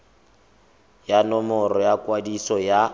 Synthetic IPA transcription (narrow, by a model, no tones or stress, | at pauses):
janɔmɔɾɔjakʼwadisɔja